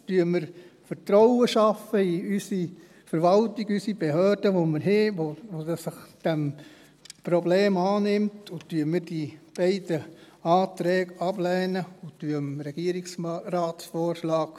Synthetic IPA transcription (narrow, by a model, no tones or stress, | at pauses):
tyːəmɪɾfəɾtɾɔʊəʃɑfəiysi | fəɾʋɑltiɡysibeɦœːɾd̥əʋomɪɾɦɪʋoʋodsəχd̥ɛm | pɾɔbleːmɑːnɪmtʊtyəmɪɾd̥ib̥ɛɪdə | ɑːtɾɛːɡɑblɛːnəʊtyəmɾɛɡ̥iəɾiksɾɑːtsfɔːɾʃlɑːɡ̥